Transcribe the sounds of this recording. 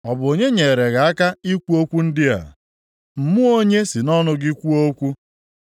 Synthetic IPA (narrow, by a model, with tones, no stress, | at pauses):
ɔ˨bʊ˨o˨ɲe˦ɲe˨ɾe˨ɣa˨a˦ka˦i˦kʷu˦o˦kʷu˦n̩˦dɪ˦a̰˨ | m̩˨mʊ˦o˦ɲe˦sɪ˨nɔ˦nʊ˦ɡɪ˦kʷu˦o˦kʷu˦